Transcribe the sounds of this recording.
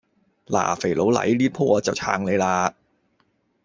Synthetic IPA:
la̰ː˨˩fe˨˩jlo˨˥wlɐ̰˨˥jliː˥t̚pʰuː˥ʔɔː˨˧˥t͡sɐ˨˩wt͡sʰaː˧ŋle˨˧jlaː˧

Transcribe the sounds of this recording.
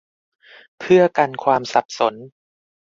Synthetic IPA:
pʰɯ˥˩ɐka˧nkʰwaː˧msa˨˩p̚so˩˦n

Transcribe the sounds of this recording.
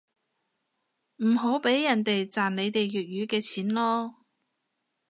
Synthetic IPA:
m̩˨˩ɦo˨˥wpe˨˥jːɐ˨˩nt̪e˨jt͡saː˨˩nle˨˧jt̪e˨jːyː˨t̚jyː˨˧kɛː˧t͡sʰiː˨˥nlɔː˥

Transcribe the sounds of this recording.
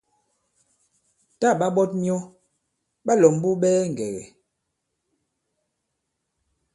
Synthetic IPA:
ta˦˨ɓa˦ɓɔ˦t̚ɲi˦ɔ˦ | ɓa˦lɔ˨m˦bu˦ɓɛː˦ŋ̩˨ɡɛ˨ɣɛ̰˨

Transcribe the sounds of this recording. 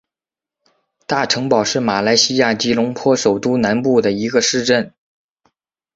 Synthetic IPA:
t̪a˥˩ʈ͡ʂʰɤ˧˥ŋpɑ˨˩ʊʂɻ̩˥˩ma˨˩la˧˥ɪɕi˥ja˥˩t͡ɕi˧˥lʊ˧˥ŋpʰwɔ˥ʂo˨˩ʊt̪u˥˩na˧˥npu˥˩d̪ə˩i˧˥ɡə˧ʂɻ̩˥˧ʈ͡ʂə˥˩n

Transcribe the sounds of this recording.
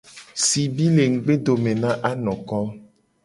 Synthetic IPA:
si˨bi˦le˨ŋ̩˨ɡ͡be˦ɖo˨mẽ˨nã˦ʔa˦nɔ̃˨kɔ˦

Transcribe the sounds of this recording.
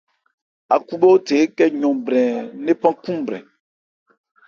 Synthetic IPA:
a̰˨ku˦ɓo˦o˦te˨˦kɛ˦ɲɔ̃˨bɾɛ̃˨ne˦pã˦kũ˦m˨bɾɛ̰̃˨

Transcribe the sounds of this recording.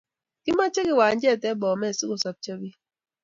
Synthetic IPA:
kɪ˦ma˦t͡ʃɛ˦kɪ˨wa˨ɲd͡ʒɛ˦˨tɛ˦bɔ˨mɛ˦˨sɪ˦ko˨sa˨p̚t͡ʃə˦bi˦

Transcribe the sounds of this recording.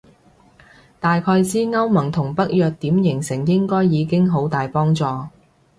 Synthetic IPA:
t̪aː˨jkʰɔː˧jsiː˥ŋɐ˥wmɐ˨˩ŋt̪ʰʊ˨˩ŋpɐ˥k̚jœː˨k̚t̪iː˨˥mjɪ˨˩ŋsɪ˨˩ŋjɪ˥ŋkɔː˥jːiː˨˧kɪ˥ŋɦo˨˥wt̪aː˨jpɔː˥ŋt͡sɔː˨˧

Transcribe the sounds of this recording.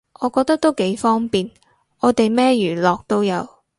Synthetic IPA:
ʔɔː˨˧kɔː˧k̚t̪ɐ˥k̚t̪o˥wke˨˥jfɔː˥ŋpiː˨n | ʔɔː˨˧t̪e˨jmɛː˥jyː˨˩lɔː˨k̚t̪o˥wjɐ˨˧w

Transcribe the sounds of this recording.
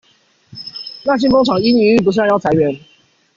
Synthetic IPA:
na˥˨t͡ɕi˥˨ŋko˥ŋʈ͡ʂʰɑ˨˩ŋi˦ni˨˧y˥˩p̬u˧˥ɕ̬jɑ˥˩a˧˦ɪɥɛ˨˦n

